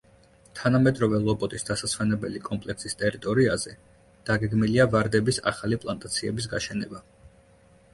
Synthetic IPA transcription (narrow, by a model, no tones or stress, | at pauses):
t̪ʰanamɛd̪ɾɔvɛlˠɔbɔt̪ʼisd̪asaswɛnɛbɛlikʼɔmpʼlɛksist̪ʼɛɾit̪ʼɔɾiazɛ | d̪̥aɡɛɡmiliavaɾd̪ɛbisa̰χalipʼlˠant̪ʼat̪sʰiɛbis̬ɡaʃɛnɛba